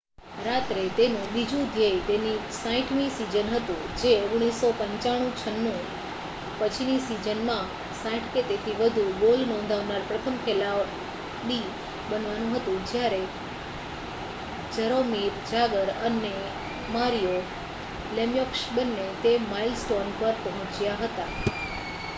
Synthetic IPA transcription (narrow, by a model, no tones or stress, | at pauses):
ɾat̪ɾet̪enũɓid͡ʒũd̪ʱjəjt̪enisãĩʈʰmĩsid͡ʒənɦət̪ṵ̃d͡ʒeoɡɽ̃isopə̃ɲt͡ʃaɽ̃ũt͡ʃʰənːũ | pət͡ʃʰinisid͡ʒənmã | sãĩʈʰket̪et̪ʰiʋəd̪ʱubolnɔ̃nd̪ʱaʋnaɾpɾət̪ʰəmkʰelaʋ | ɗi | bənʋanũɦət̪ũd͡ʒjaɾe | d͡ʒəɾomiɾd͡ʒʱaɡəɾəne | maɾijo | lemjɔkʃbənːet̪emailsʈonpəɾpəɦɔ̃t͡ʃjaɦət̪a